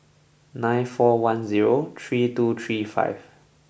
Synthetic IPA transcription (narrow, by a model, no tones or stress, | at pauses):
nãɪ̃nfɔwãnziɹot̪ʰɹitut̪ʰɹiːfa̰ɪv